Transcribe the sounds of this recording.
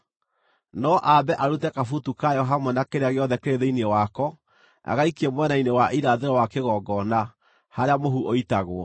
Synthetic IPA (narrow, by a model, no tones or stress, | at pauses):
nɔʔabɛʔaɾutɛkafutukajɔɦamɛnakeɾeaɣejɔðɛkeɾeðeiniewakɔ | a̰ɣaikiemwɛnainewaʔiɾaðeɾɔwakeɣɔɡɔna | haɾeamoɦuʔoitaɣoɔ